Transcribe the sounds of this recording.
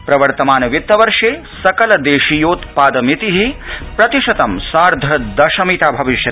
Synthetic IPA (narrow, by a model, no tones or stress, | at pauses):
pɾɐʋɐɾt̪ɐmaːnɐʋjit̪ːɐʋɐɾʂeː | sɐkɐlɐd̪eːʃijoːt̪paːd̪ɐmit̪iɦipɾɐt̪iʂɐt̪ɐmsaːɾd̪ʱɐd̪ɐʃɐmit̪aːbʱɐʋiʃjɐ